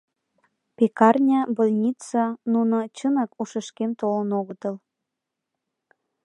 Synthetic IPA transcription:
pekɑrnʲɑbolʲnʲit͡sɑnunŏt͡ɕənɑkuʃəʃkemt̪olənoɣə̆t̪ɤ̆l

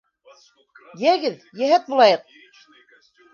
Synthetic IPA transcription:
jæɡɘðjæɦæt̪̚bulˠɑjɤq̚

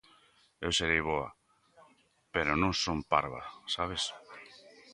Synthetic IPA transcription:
ewseɾejβoa̰ | peɾonõŋsompaɾβa̰saβ̞es

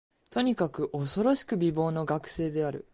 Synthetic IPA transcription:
t̪o̞ɲ̟ikakɯ̟ʔo̞so̞ɾo̞ɕi̥kɯ̟bʲibo̞ːno̞ɡakɯ̟̥se̞ːd̪e̞aɾɯ̟̰

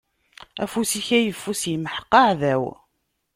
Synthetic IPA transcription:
æ̰fusiçæjəfːusjiməħə̥qːɑʕðæw

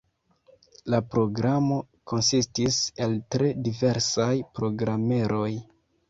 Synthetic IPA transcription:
lapɾo̞ɡɾamo̞ko̞nsistise̞ltɾe̞dive̞ɾsajpɾo̞ɡɾame̞ɾo̞j

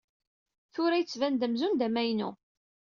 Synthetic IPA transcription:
θʊɾæjət͡sːvænd̪əmzund̪æmæjnṵ

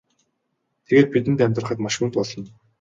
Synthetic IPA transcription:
t̪ʰeɣeːt̪̚pit̪̬ɘ̆nt̪æmʲt̪rə̆χə̆t̪maʃxuːnt̪̚pɔɮɞ̆n

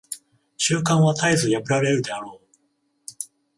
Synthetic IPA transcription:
ɕɨːkãɰ̃βat̪aizɨjabɯ̟ɾaɾe̞ɾɯ̟d̪e̞aɾoː

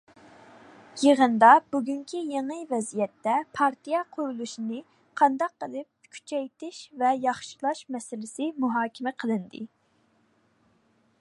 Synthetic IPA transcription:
jeʁənd̪ɑbuɡʲyŋkʲʰijeŋɨvɛzijɛt̪ːɛpʰɑɾt̪ʰijɛqʰuɾulˠuʃinɨ | qʰɑnd̪ɑqːəlˠɨp̚kʲʰy̥t͡ʃʰɛjt̪ɪʃvɛjɑχʃilˠɑʃmɛsɪlɪsɪmuɦɑːkʲʰɪmɛqʰəlˠɨnd̪ɨ̰

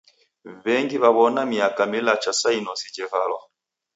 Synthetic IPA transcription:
βɛŋɡiβaβɔnamiakamilat͡ʃasainɔsid͡ʒɛvalɔ

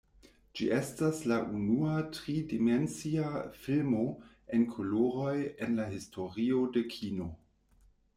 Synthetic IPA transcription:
d͡ʒiʔe̞staslaʔunuatʁidiment͡siafilmo̞ | enkʰoloɾo̞jenlahistʰo̞ɾio̞de̞kʰino̞

